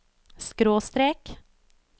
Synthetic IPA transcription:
skɾoːst̪ɾeːk

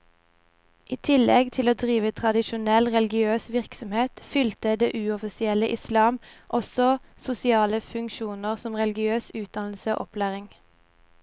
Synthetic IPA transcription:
ʔiːt̪ʰɪlɛɡt̪ʰɪloːd̪ʁiːʋət̪ʰʁɑd̪ɪʃʊnɛlʁɛlɡɪøːsʋɪʁksɔmheːt̪fʏlt̪əd̪eːʔʉːɔfɪsɪɛləʔɪslɑːmʔɔsɔsʊsɪɑːləfʉŋkʃuːnəʁsɔmʁɛlɡɪøːsʉːt̪̚d̪ɑnl̩səo̰ːʔɔpʰlæːʁɪŋ

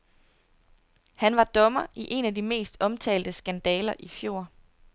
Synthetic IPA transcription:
hænʋɑ̈d̥ɒ̽mɐʔiʔe̝nædime̝̰ːsd̥ɒ̽mt͡sʰɛ̰ːld̥əsɡ̥ænd̥ɛːlɐʔifjo̝̰ː

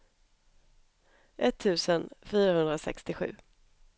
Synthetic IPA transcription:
ʔɛt̪ʰːʉ̟ːsənfyːɾahɵnd̪ɾasɛ̰kst̪ɪɧʉ̟ː

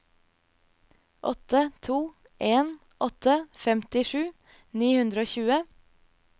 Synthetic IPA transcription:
ʔɔt̪ət̪ʰuː | ʔeːn | ʔɔt̪ʰəfɛmt̪ɪʃʉː | niːhʉnd̪ɾəoːçʉːə

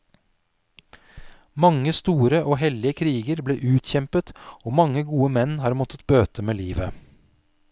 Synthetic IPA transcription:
mɑŋəst̪uːɾəʔoːhɛlɪəkʰɾiːɡəɾbleːʔʉːt̪çɛmpət̪oːmɑŋəɡuːəmɛnːhɑːɾmɔt̪ət̪bøːt̪ʰəmeːliːʋə

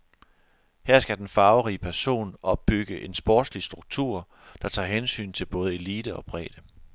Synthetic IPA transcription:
hæɐ̰sɡ̥æd̥enfɑ̈ʊʁiːəpʰæɐso̝̰ːnɒ̽b̥̚ːyɡ̥əʔe̝nsb̥ɒ̰ːd̥slisd̥ʁuɡ̥̚t͡sʰuɐ̰ | d̥ɑ̈t͡sʰɑ̰̈ɦensy̰ːnt͡sʰe̝lb̥ɔ̽ːð̞̩ˠe̝liːd̥əɒ̽b̥ʁɛ̰ːd̥ə

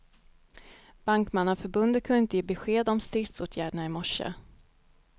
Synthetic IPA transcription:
b̥aŋkmanːənfœɾbɵnd̪ət̪kʰɵnɪnt̪əjeːbɛɧeːd̪ɔmst̪ɾɪft̪soːt̪ʰjæːɖəɳaɪmɔʂə̰

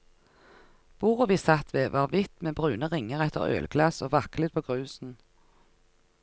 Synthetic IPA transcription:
b̥uːʁəʋiːsɑt̪ʋeːʋʔɑːʁʋɪt̪meːbʁʉːnəʁɪŋəʁɛt̪ʰə̰ʁœ̰ːlɡlɑsoːʋɑklɪd̪̚pʰoːɡʁʉːsn̩

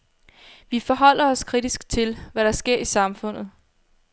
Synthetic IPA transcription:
ʋifɒ̽ɦɒ̽l̰ɐɒ̽skʰʁid̥isɡ̥t͡sʰe̝lʋæɾ̥ɑ̈sɡ̥e̝ɐ̰isɑ̈mfɔ̽n̰ð̩ˠ

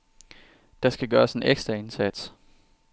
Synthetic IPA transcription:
d̥ɑ̈sɡ̥æɡ̥ɶːɐse̝neɡ̥sd̥ʁɐe̝nsæd̥s

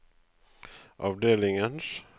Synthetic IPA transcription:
ʔɑ̰ːʋd̪eːlɪŋəns

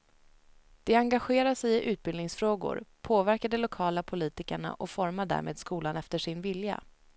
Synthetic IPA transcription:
d̪̥ɛaŋɡaɧeːɾasɛjɪʔʉ̟ːt̪̚bɪlnɪŋsfɾoːɡʊ̰ɾpʰoːvæɾkad̪ɛlʊkʰɑːlapʰʊliːt̪ɪkəɳa̰ʔɔfɔɾmaɖæ̰ːɾmʔḛːd̪skuːlanɛft̪əʂɪnvɪlja̰

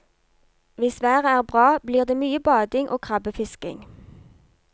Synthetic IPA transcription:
ʋɪsʋæːʁəæːʁbʁɑːbliːʁd̪eːmyːəbɑːd̪ɪŋʔoːkʰʁɑbəfɪskɪ̰ŋ

